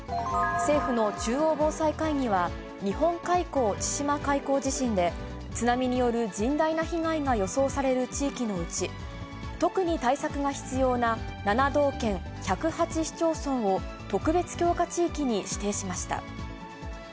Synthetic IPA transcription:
se̞ːɸɯ̟no̞t͡ɕɨːo̞ːbo̞ːsaikaiɲ̟iβa | ɲ̟ihõ̞ŋkaiko̞ːt͡ɕi̥ɕimakaiko̞ːʑiɕĩnd̪e̞ | t͡sɨnamʲiɲ̟ijo̞ɾɯ̟d͡ʑĩnd̪ainaçiŋaiŋajo̞so̞ːsaɾe̞ɾɯ̟t͡ɕiːkʲino̞ɯ̟t͡ɕi | t̪o̞kɯ̟ɲ̟it̪aisakɯ̟ɡaçi̥t͡sɨjo̞ːnananad̪o̞ːkẽ̞ɰ̃ | çʲakɯ̟hat͡ɕiɕi̥t͡ɕo̞ːsõ̞ɰ̃o̞t̪o̞kɯ̟be̞t͡sɨ̥kʲo̞ːkat͡ɕiːkʲiɲ̟iɕi̥t̪e̞ːɕimaɕi̥t̪a̰

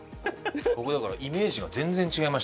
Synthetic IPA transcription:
ko̞kod̪akaɾaʔime̞ːʑiɡazẽ̞nd͡zẽ̞ɲ̟t͡ɕiɡaimaɕ

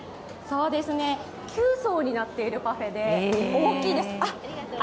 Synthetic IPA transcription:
so̞ːd̪e̞sɨne̞ | kʲʰɨːso̞ːɲ̟inat̪ːe̞iɾɯ̟paɸe̞d̪e̞oːkʲiːd̪esɨa

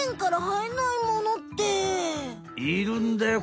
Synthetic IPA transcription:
eŋkaɾaɦainaimonot̪ːe | iɾɯnd̪e

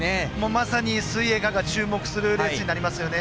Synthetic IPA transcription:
emoːmasaɲ̟ʲisɨie̞ɡaɡat͡ɕɨːmo̞kɯ̟̥sɨɾɯɾesɨɲ̟inaɾʲimasɨjo̞ne

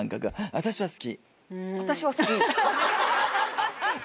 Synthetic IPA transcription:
ŋkaɡɯaβat̪aɕiβasɨ̥kʲi | βat̪aɕiβasɨ̥kʲi

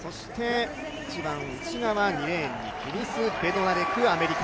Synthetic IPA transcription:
so̞ɕi̥t̪e̞ | it͡ɕibãŋɯt͡ɕinaβaɲiɾẽ̞ɲ̟ːḭkʲiɾʲisɨbe̞d̪o̞naɾekɯ̟ame̞ɾʲika

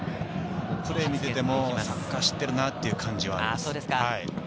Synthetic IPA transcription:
kɯɾemʲit̪e̞t̪emo̞sakːaɕi̥t̪ːe̞ɾɯ̟nat̪ːe̞iɯ̟kʰãɲ̟d͡ʑiβa̰asoːd̪eskahai

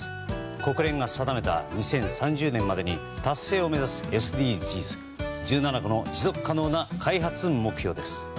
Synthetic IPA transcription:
ko̞kɯ̟ɾẽ̞ŋɡasad̪ame̞t̪a̰ɲ̟isẽ̞ɰ̃sãɲ̟d͡ʑɨːnẽ̞mːad̪e̞ɲi | t̪asːe̞ːo̞me̞zasɨ̥e̞sɨd̪ʲiːsiːsɨ̥ | d͡ʑɨːnanaɡono̞d͡ʑizo̞kɯ̟̥kːano̞ːnakʰaiɦat͡sɨɯ̃mmːo̞kɯ̟ço̞ːd̪e̞sɨ̥

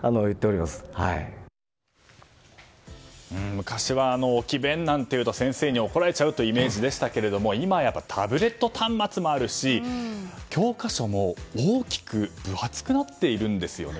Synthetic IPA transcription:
anojɯ̟t̪ːeoɾʲimasɨ̥ha̰ḭ | ɯ̟̃mɯ̟kaɕiβaːno̞ːkʲibẽ̞nːãnt̪e̞jɯ̟ːt̪o̞sẽ̞ɰ̃se̞ːɲ̟io̞ko̞ɾae̞t͡ɕaɯ̟t̪o̞ime̞ːʑid̪e̞ɕi̥t̪ake̞ɾe̞d̪o̞mo̞imajapːat̪ʰabɯ̟ɾe̞t̪ːo̞t̪ʰãmːat͡sɨmo̞aɾɯ̟ɕi | kʲo̞ːkaɕo̞mo̞oːkʲi̥kɯ̟b̥ɯ̟hat͡sɨ̥kɯ̟nat̪ːe̞iɾɯ̟̃nd̪e̞sɨjo̞̰ne

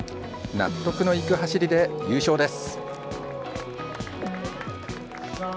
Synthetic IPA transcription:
na̰t̪ːo̞kɯ̟no̞ikɯ̟ɦaɕiɾʲid̪e̞jɨːɕo̞ːd̪e̞sɨ̥

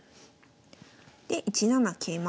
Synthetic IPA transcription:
d̪̥e̞ʔit͡ɕinanakʰeːma

